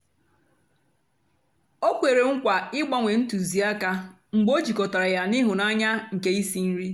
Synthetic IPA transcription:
o˦kʷe˨ɾe˨ŋ̩˦kʷa˨ɪ˦ɡ͡bɔ˦ŋʷe˨n̩˦tu˨zi˨a˦ka˦ | ŋ͡m̩˨ɡ͡bo˦d͡ʒi˨kɔ˨ta˨ɾa˨ja˦ni˦ɦʊ˨na˦ɲa˦ŋ̩˨ke˦i˦si˦n̩˦ɾi˦

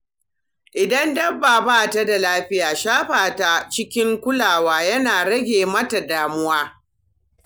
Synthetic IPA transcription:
ʔɪ˨dɐ˦ndɐ˦bːaː˨baː˦˨ta˦da˨laː˦ɸɪ˦jaː˨ʃaː˦ɸaː˨ta˦t͡ʃɪ˦kʲɪ˦ŋkʷʊ˦laː˨waː˦jɐ˦naː˨ɽɐ˦ɡʲeː˨mɐ˦ta˨daː˨mʊ˦waː˦

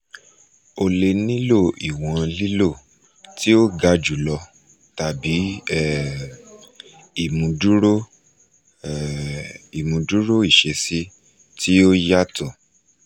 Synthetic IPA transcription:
o˧le˧nĩ˦lo˦˨i˨w̃ɔ̃˧li˦lo˦˨ | ti˦o˦ɡa˨˦˨d͡ʒu˨lɔ˧ | ta˨bi˨˦ɛ˦ | i˦˨mũ˧du˦ɾo˦ | i˨mũ˧du˦ɾo˦i˦˨ʃe˧si˦ | tʰi˦o˦ja˦tɔ˦˨

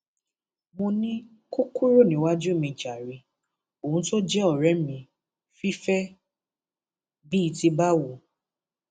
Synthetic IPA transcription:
mõ˧nĩ˦ | ko˦ku˦ɾo˦˨nĩ˨˦wa˦d͡ʒu˦˨mĩ˧˨d͡ʒa˨ɾi˧ | o˨ũ˧˦to˦d͡ʒɛ˦ɔ˨ɾɛ˨˦mĩ˨ | fi˦fɛ˦ | bi˦i˧ti˧ba˦wo˨

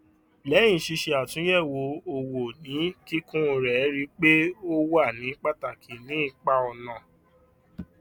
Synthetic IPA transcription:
lɛ̃˨˦ĩ˨ʃi˧ʃe˧a˨tũ˨˦jɛ˦˨wo˨˧o˧wo˨nĩ˨˦ki˦kũ˦˧ɾɛ˨˦ɾi˧k͡pe˦o˦wa˦˨nĩ˨˦k͡pa˦ta˨kʰi˨nĩ˨˦˨k͡pa˦ɔ˧nã˨

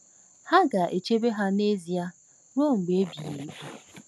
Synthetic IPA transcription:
ha˦ɡa˨ʔe˨t͡ʃe˦be˦ɦa˦ne˦zi˨a˦ | ɾo˦ŋ̩˨ɡ͡be˨e˦bi˨jḛ˨ke˦

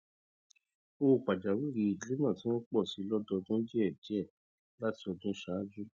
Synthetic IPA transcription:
o˦˨k͡pa˨d͡ʒa˨wi˦˨ɾi˨˧i˨˦li˦mã˦˨tĩ˨˦w̃ɔ̃˦k͡pɔ˦˨si˨˧˦lɔ˦dɔ˧dũ˦d͡ʒi˦ɛ˦˨d͡ʒi˨˦ɛ˦˨ | la˦ti˧ɔ˧dũ˦ʃa˨˦d͡ʒu˦

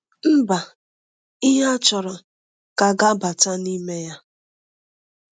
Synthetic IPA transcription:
m̩˦ba˨ | ɪ˦ɦa˦t͡ʃɔ˨ɾɔ˨ | ka˨ɡa˦ba˨ta˦ni˦me˦ja˦

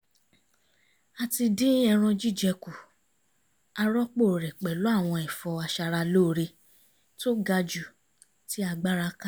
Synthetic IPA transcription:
a˧ti˧dĩ˦ɛ˧ɾ̃ɔ̃˧d͡ʒi˦˨d͡ʒɛ˧ku˨ | a˧ɾɔ˦k͡po˦˨ɾɛ˨k͡pɛ˨lo˨˦a˦˨w̃ɔ̃˧ɛ˨fɔ˧a˧ʃa˧ɾa˧lo˦˨ɾe˧ | to˦ɡa˧d͡ʒu˨ | ti˨˦a˧ɡ͡ba˦ɾa˧˦ka˦

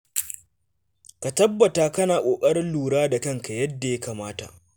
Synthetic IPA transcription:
ka˨tɐ˦bːɐ˨taː˦˨kɐ˦naː˨kʷʼoː˨kʼɐ˦ɾɪ˦luː˨ɽaː˦da˨kɐ˦ŋka˨jɐ˦dːa˨jɐ˦kaː˨maː˦ta̰˨ʔ

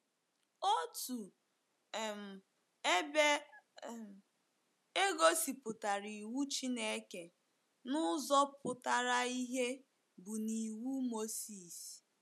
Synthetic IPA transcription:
o˦tu˨ | m̩˨˦ | be˦ | e˦ɡo˦si˨pʊ˨ta˨ɾi˨wu˦t͡ʃi˦ne˦ke˨ | nʊ˦zɔ˦pʊ˨ta˨ɾa˦i˦ɦe˦ | bʊ˨ni˨wu˦mo˦si˨s

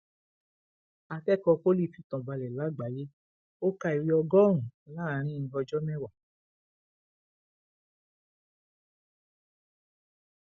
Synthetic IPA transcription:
a˧tɛ˦˨kɔ˧ko˦li˦˨fi˧tɔ̃˨ba˧lɛ˨la˨˦˨ɡ͡ba˨˦je˦ | o˦ka˧i˧ɾi˧ɔ˧ɡɔ˦ɾ̃ũ˨la˦˨ɾ̃ĩ˦˧˦ɔ˧d͡ʒɔ˦mɛ̃˦wa˨

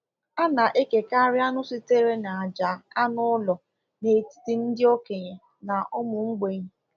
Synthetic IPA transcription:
a˦na˨ʔe˦ke˨ka˦ɾɪ˦a˦nʊ˦si˦te˦ɾe˦na˨a˨d͡ʒa˨a˦nʊ˦ʊ˦lɔ˨ | ne˨i˨ti̥˦ti˨n̩˦dɪ˦o˦ke˨ɲe˨ | na˨ʔʊ˦mʊ˨ŋ͡m̩˦ɡ͡be˦ɲe˨

